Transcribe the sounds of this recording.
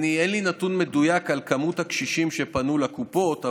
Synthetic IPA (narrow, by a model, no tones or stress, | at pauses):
nienlinat̪unmedujakalkamut̪hakʃiʃimʃe̞panulakupo̞t̪a